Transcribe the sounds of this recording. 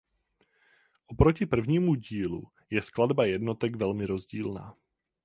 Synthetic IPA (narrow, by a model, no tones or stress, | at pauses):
ʔopɾo̞cɪpr̩vɲiːmuɟiːlṵ | jɛskladbajɛdno̞t̪ɛɡvɛlmɪɾo̞zɟiːlna̰ː